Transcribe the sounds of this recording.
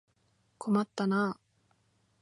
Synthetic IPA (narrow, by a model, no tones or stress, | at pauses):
kʰo̞mat̪ːanaː